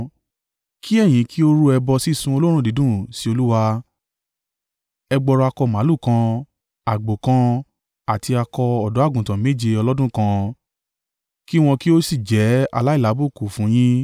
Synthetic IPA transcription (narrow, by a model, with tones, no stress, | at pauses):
kʰi˦ɛ˦˨j̃ĩ˨˦kʰi˦o˦ɾu˦ɛ˧bɔ˧si˦˨sũ˧˦o˧lõ˦ũ˦˨di˨˦dũ˦˨si˨˦o˧lu˦wa˧ | ɛ˧ɡ͡bɔ˧ɾɔ˧a˧kɔ˧mã˨˦lu˦˨kã˧ | a˨ɡ͡bo˨kã˧ | a˨ti˧a˧kɔ˧ɔ˨dɔ˨˦a˦˨ɡũ˨tã˨˦me˦˨d͡ʒe˧ɔ˧lɔ˦dũ˦˨kã˧ | ki˦w̃ɔ̃˧ki˦o˦si˦˨d͡ʒɛ˨˦a̰˧la˦i˦˨la˨˦bu˦˨ku˨fũ˨˦j̃ĩ˦